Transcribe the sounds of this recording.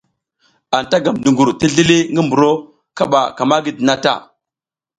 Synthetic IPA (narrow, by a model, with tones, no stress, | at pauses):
a˨n˨ta˦ɡa˨mdu˨ŋɡu˨ɾti˦ɮi˦li˦ŋɡi˦mbu˨ɾo˦ | ka˦ɓa˨ka˨ma˦ɡi˦di˨na˦ta̰˦˨